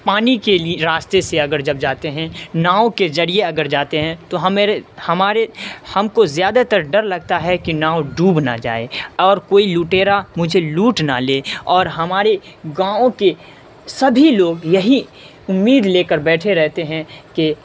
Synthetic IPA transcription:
paːnikelieɾaːst̪eseɐɡəɾd͡ʒɐbd͡ʒaːt̪eɦɛ̃naːõkezɐɽieɐɡəɾd͡ʒaːt̪eɦɛ̃t̪oɦɐmhɐmaːɾehɐmkozjaːd̪at̪əɾɖɐɾlɐɡ̚t̪aɦɛkinaːoɖuːbna̰d͡ʒa̰ːḛɔːɾkoːiluːʈeːɾamʊd͡ʒʱeluːʈna̰leːɔːɾɦɐmaːɾeɡãːõke | sɐbʱiloːɡjɐɦi | ʊmːiːd̪leːkəɾbɛːʈʰeɾɛɦt̪eɦɛ̃ke

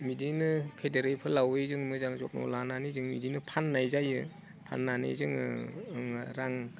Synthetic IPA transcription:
midinɯpʰedeɾepʰɯlawɯjzɯŋmɯzaŋzɔp̚nɔ̰lananijzɯŋmidinɯpʰanːajzajɯ | pʰa̰nːanḭjzɯŋɯ̰ɯŋɾaŋ

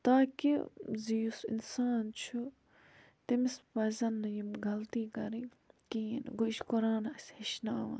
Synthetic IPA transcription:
t̪aːkḭzijusɪ̰nsaːnt͡ʃʰu | t̪imispɐzʲɐnːɐjimɡɐlt̪iːkɐɾi | kiːnɡoʃkʊɾaːnɐsʲhiʃnaːʋɐ̰ːn

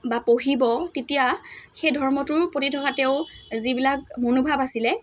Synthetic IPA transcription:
bapoɦibɔtetijaxejdʱɔɹmɔtʊɹpotitʰɔkatɛʊzibilak̚monubʱabasilɛ

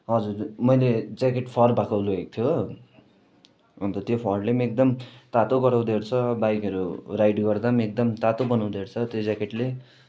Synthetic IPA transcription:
ɦʌd͡zurmʌjled͡zakeʈpʰʌrbakoloɡek̚t̪ʰjo | ʌnt̪ʌt̪jopʰʌrlemek̚d̪ʌmt̪at̪oɡʌɾaw̃d̪eɾt͡sʰʌbajkʌɾurajɖɡʌrd̪amek̚d̪ʌmt̪at̪obʌnaw̃d̪eɾt͡sʰʌt̪jod͡zakeʈle

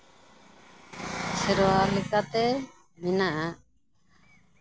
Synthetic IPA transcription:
sɛɾɔwaɾlɛkat̪ɛ | minaʔa

